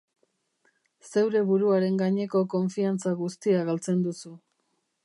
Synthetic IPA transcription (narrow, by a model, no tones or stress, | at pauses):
se̞wɾe̞βuɾuaɾe̞ŋɡaɲe̞ko̞ko̞ɱfiant͡saɣust̪iaɣalt͡se̞nd̪usu